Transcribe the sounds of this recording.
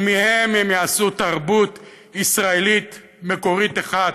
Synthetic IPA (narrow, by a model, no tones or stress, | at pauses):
mihememjaasut̪aʁbut̪ | isʁaelit̪ | meko̞ʁit̪eχad